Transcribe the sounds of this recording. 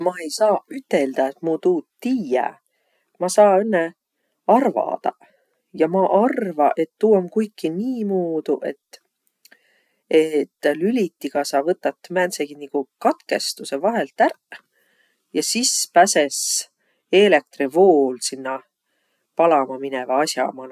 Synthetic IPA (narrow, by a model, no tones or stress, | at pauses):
mɑe̞jsɑːyt̪ːˑeld̪̥ɑet̪mut̪uːt̪ːiːjæ̰ | mɑsɑːenːe | ɑrvɑ̰d̪̥ɑ̰ | jɑmɑʔɑrvɑʔe̞t̪ːuːɑmkujkˑːiniːmuːd̪̥uʔe̞t̪ː | et̪ːlylʲit̪ːiɡ̥ɑsɑːvɤt̪ːɑt̪ːˑmænseɡ̥iniɡ̥ukɑt̪ke̞st̪use̞vɑɦe̞lt̪æɾ | jɑsispæses | e̞le̞k̚t̪rivoːlsinːɑ | pɑlɑmɑminevɑɑsjɑ̰mɑn